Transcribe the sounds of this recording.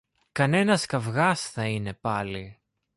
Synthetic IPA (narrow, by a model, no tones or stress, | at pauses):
kɐne̞nɐskɐvɣɐsθɐine̞pɐli